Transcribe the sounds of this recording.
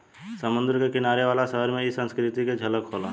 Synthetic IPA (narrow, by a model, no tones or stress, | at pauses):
səmʊ̃nd̪ɾkekɪnaːɾeʋaːlasəɦəɾmẽɪsːə̃nskɾɪt̪iked͡ʒʱɐləkʰoːla̰